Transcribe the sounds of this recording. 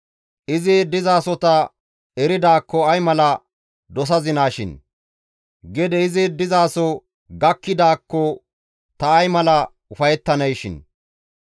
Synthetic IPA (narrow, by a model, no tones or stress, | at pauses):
ʔɪzɪd̪ɪzaːsɔt̪ɐ | ɛɾɪd̪aːkːɔɐjmɐlɐ | d̪ɔs̬ɐzɪnaːʃɪ̰n | ɡɛd̪ɛɪzɪd̪ɪzaːsɔ | ɡɐkːɪd̪aːkːɔ | t̪ɐːjmɐlɐ | ʊfɐjɛt̪ːɐnɐjʃɪ̰n